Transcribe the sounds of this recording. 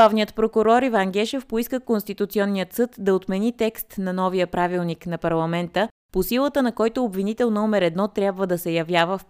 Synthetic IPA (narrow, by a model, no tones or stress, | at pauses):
avnijət̪pɾokʊɾɔɾivaŋɡʲɛʃɛfpoiskəkonst̪it̪ut̪siɔnːijət̪sɤt̪d̪ɐot̪mɛnit̪ɛkst̪nɐnɔvijəpɾavilˠniknɐpɐɾlˠɐmɛnt̪ə | posilˠət̪ənɐkɔjt̪oːbvinit̪ɛlˠnɔmɛɾɛd̪nɔt̪ɾʲjabvəd̪ɐsɛjɐvjavəf